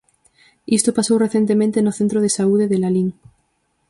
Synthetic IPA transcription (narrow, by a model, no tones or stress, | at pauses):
ist̪opasowreθje̞nt̪emẽnt̪enoθent̪ɾoð̞esauð̞eðelaliŋ